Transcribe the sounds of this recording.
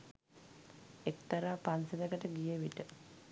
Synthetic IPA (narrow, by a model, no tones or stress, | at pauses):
ekt̪aɾaːpansed̪əkəʈəɡijəʋiʈə